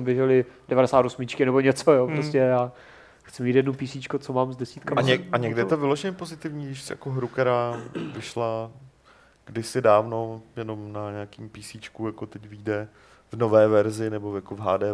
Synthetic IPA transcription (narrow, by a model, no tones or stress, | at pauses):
mbjɛʒɛlɪdɛvaɾɛsaːt̪osmɪt͡ʃkɪnɛboɲɛt͡sojopɾoscɛjaː | xt͡sɪmiːt̪jɛdnopiːsit͡ʃkot͡somaːmzdɛsiːt̪kaɲɛaɲɛɡdɪjɛt̪ovɪloʒɛɲɛpo̞zɪt̪ɪvɲiːɡdɪʃsɪja̰koɦɾukt̪ɛɾaːvɪʃla | ɡ̥dɪsɪdaːvno̞jɛno̞mnaɲɛakiːmpiːsiːt͡ʃkujakot̪ɛcviːdɛ | vnovɛːvɛɾzɪnɛbojakovɦaːdɛː